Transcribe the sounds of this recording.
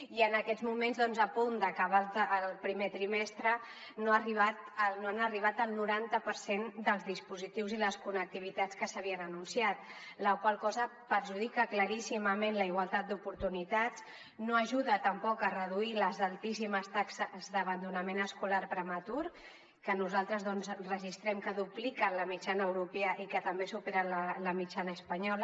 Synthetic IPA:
iənəkɛzmumenzðɔnzəpund̪əkaβalːllˠpɾimet̪ɾimɛst̪ɾə | noariβat̪noanəriβ̞at̪əlˠnuɾant̪əpəɾsend̪əlˠzðispuzit̪iwziləskunək̚t̪iβit̪at͡skəsəβiənənunsiat̪̚ | ləkwalˠkɔzəpəɾʒuð̞ikəkləɾisiməmenləiɣwalˠt̪at̪̚d̪upuɾt̪unit̪at͡s | noəʒuðət̪əmpɔkərəð̞uiləzalˠt̪isiməst̪aksəzd̪əβənd̪unəmenəskulaɾpɾəmət̪uɾ | kənuzalˠt̪ɾəzðɔnzrəʒist̪ɾɛmkəðuplikələmit͡ʃanəːwɾupeəʔikət̪əmbesupeɾələləmit͡ʃanəːspəɲɔlə

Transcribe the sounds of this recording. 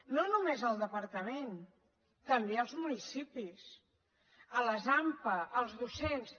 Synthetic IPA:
nonumezəlˠd̪əpəɾt̪əmen | t̪əmbeəlˠzmunisipis | ələzampəʔːlˠzðusens

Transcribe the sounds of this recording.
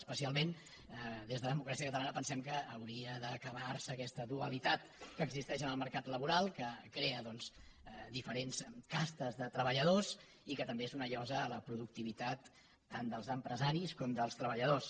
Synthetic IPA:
spəsialˠmen | d̪ezðəðmukɾasiəkət̪əlanəpənsɛmkəːwɾiəðəkəβarsəːkɛst̪əðuəlit̪at̪kəːɡzist̪ɛʃənəlˠməɾkat̪ləβuɾalˠkəkɾeəðɔnsd̪ifəɾenskast̪əzðət̪ɾəβəʎəðos | ikət̪əmbeezunəʎɔzəːləpɾuðuk̚t̪iβit̪at̪ː | and̪əlˠzəmpɾəzaɾiskɔmd̪əlˠst̪ɾəβəʎəðos

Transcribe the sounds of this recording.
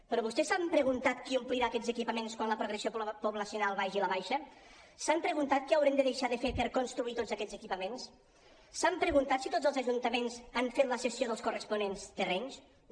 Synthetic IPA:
pɾɔβust̪ɛsampɾəɣunt̪at̪kiumpliɾaːkɛzəkipəmenskwanləpɾoɣɾəsiopuβləsiunalˠβajʒiləβajʃə | sampɾəɣunt̪at̪̚kɛəwɾemd̪əðeʃaðəfepəɾkonst̪ɾuit̪odzəkɛd͡zzəkipəmens | sampɾəɣunt̪at̪sit̪otzəlˠzəʒunt̪əmenzaɱfet̪ləsəsioðəlˠskurəspunenst̪ərɛns

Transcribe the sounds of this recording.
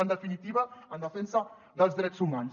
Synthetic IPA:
ənd̪əfinit̪iβəənd̪əfɛnsə | ðəlˠzðɾɛzumans

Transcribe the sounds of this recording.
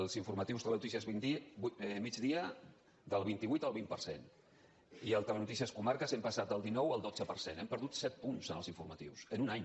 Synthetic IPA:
lˠziɱfuɾmət̪iwst̪əlɛnut̪isiəiimid͡ʒðiə | d̪əlˠβ̞int̪iβuit̪əlβimpərsḛn | iəlˠt̪əmənut̪isiəskumaɾkəzɛmpəsat̪̚d̪əlˠd̪inɔwəlˠd̪od͡zəpəɾsenɛmpəɾðut̪sɛt̪̚punzənəlˠziɱfuɾmət̪iwsənunaɲ

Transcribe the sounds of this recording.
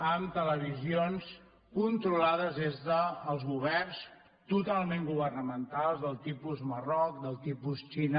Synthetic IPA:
əmt̪ələβ̞izions | kunt̪ɾulaðəzðezðəːlˠzɣuβ̞ɛrns | t̪ut̪alˠmẽŋɡuβərnəmənt̪alˠzðəlˠt̪ipuzmərɔkd̪əlˠt̪ipust͡ʃinə

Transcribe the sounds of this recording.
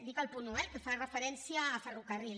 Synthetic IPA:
d̪ikəlˠpunuɛlkəfarəfəɾɛnsiəːfərukəril

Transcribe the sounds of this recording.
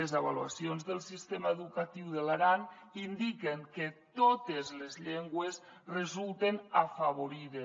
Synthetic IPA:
ezaβalua̰sionzðəlˠsist̪emaeðukat̪iwðelaɾan | ind̪ikeŋket̪ot̪ezlezʎeŋɡwes | rezulˠt̪enafaβ̞oɾiðe

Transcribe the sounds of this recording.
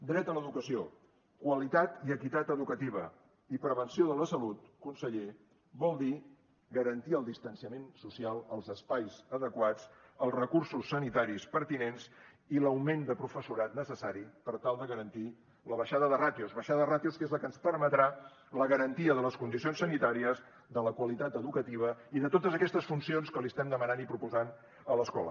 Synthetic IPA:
d̪ɾɛt̪ələðukəsio | kwəlit̪at̪iəkit̪at̪əðukət̪iβ̞ə | ipɾəβənsioðələsəlut̪kunsəʎe | βɔlˠd̪i | ɡəɾənt̪iəlˠd̪ist̪ənsiəmensusialˠəlˠzəspajzəðəkwat͡s | əlˠzrəkuɾsusːənit̪aɾispəɾt̪inens | iləwmend̪əpɾufəsuɾat̪nəsəsaɾipəɾt̪alˠd̪əɣəɾənt̪i | ləβəʃaðəðərat̪iuzβəʃaðəðrat̪iuskezləkənspəɾmət̪ɾa | ləɣəɾənt̪iəðələskund̪isionsːənit̪aɾiəz | ðələkwəlit̪at̪əðukət̪iβ̞əiðət̪ot̪əzəkɛst̪əsfunsionskəliəst̪ɛmd̪əmənanipɾupuzan | ələskɔ̰lə̰

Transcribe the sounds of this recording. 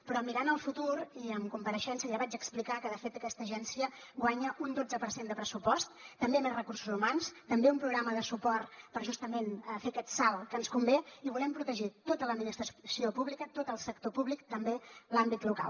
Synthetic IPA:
pɾɔmiɾanəlˠfut̪uɾiəmkumpəɾəʃɛnsəjaβad͡ʒəksplikakəðəfet̪əkɛst̪əʒɛnsiəɡwaɲəʔund̪od͡zəpəɾsend̪əpɾəsupɔst̪ːəmbemerəkursuzumanst̪əmbeumpɾuɣɾaməðəsupɔrt̪pəɾʒust̪əmenəfekɛt̪salˠkənskumbeiβulɛmpɾut̪əʒit̪ot̪ələd̪minist̪ɾəsiopuβlikət̪ot̪əlˠsəkt̪opuβlikt̪əmbelambit̪luka̰lˠ

